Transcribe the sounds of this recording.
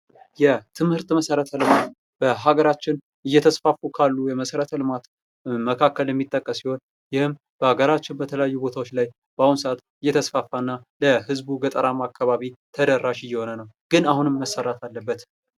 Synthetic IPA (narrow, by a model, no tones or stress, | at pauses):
jɛt̪ʰɨmhɨɾt̪məsəɾət̪ʰəlɨmat̪ | b̥əɦaɡəɾat͡ʃːɪn | ɨjːɛt̪ʰəsfafukʰalːujɛməsəɾət̪ʰəlɨmat̪ | məkʰakːəljɛmːit̪ʼːəkʼːəsiho̞n | jɪhɨm | b̥əhaɡəɾat͡ʃːɪnbət̪ʰələjajːubo̞t̪ʰawot͡ʃːlaj | b̥əahunsəʔat̪ | ɨjːɛt̪ʰəsfafːanːaləhɨzbuɡət̪ʼəɾamakʰːaβaβit̪ʰəd̪ərːaʃɪjːɛho̞nənəwɡ̥ɨnahunɨmːəsəɾət̪ʰalːəbːət̪